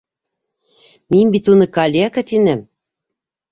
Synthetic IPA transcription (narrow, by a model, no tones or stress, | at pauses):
mimbit̪unɤ̆kɑlʲeakat̪inɘ̆m